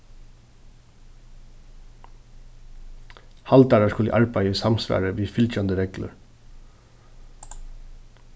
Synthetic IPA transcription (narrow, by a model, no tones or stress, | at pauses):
hɑlt̪ɑːɹɑskʊlə̰ʔɑɹbæjəsɑmsʋæ̰ːɹəʋiːfʏlt͡ʃɑnd̪əɾɛɡlə̰ɹ